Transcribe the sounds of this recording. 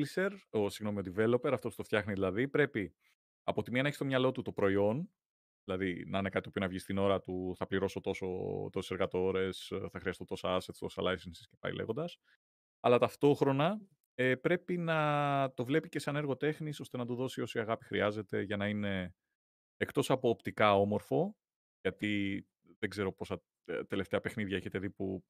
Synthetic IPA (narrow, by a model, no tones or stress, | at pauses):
lse̞ɾosiɣnomiod̪ive̞lo̞pe̞ɾɐft̪o̞pst̪oft̪çɐxniðilɐðipɾe̞pi | ɐpo̞t̪imiɐnɐeçist̪o̞mɲɐlo̞t̪ut̪o̞pɾo̞io̞n | ðilɐðinɐinekɐt̪t̪opio̞nɐvʝist̪ino̞ɾɐt̪uθɐpliɾo̞so̞t̪o̞so̞̰t̪o̞si̥seɾɣɐt̪o̞ɾe̞sθɐxɾiɐst̪ot̪o̞sɐɐset̪t̪o̞sɐ̰lajsensi̥scepɐ̰ḭlḛɣond̪ɐs | ɐlɐt̪ɐft̪o̞xɾo̞nɐ | epɾe̞pinɐt̪o̞vle̞pice̞sɐne̞ɾɣo̞t̪e̞xniso̞st̪e̞nɐd̪uðo̞sio̞siɐɣɐpi̥xɾiɐze̞t̪e̞ʝɐnɐine̞ | ekt̪o̞sɐpoːpt̪ikɐo̞mo̞ɾfo̞ | ʝɐt̪i | ðe̞ɡze̞ɾo̞po̞sɐ | t̪e̞left̪e̞ɐpe̞xniðʝɐe̞çe̞t̪e̞ðipu